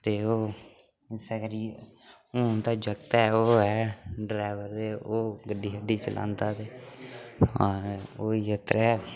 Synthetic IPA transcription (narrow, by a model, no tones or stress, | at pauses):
t̪eːoː | ɪsɛːɡəɾiː | oːt̪aːd͡ʒəkt̪ɛːoːɛːɖɾaːɪʋəɾd̪eːoːɡəɖːiːɦəɖiːt͡ʃə̰lʔã̰ːnd̪aːt̪eː | aoːiət̪ɾɛː